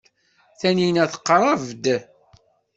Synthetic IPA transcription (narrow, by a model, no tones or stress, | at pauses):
θæninæθə̥qːrˤɑvd̪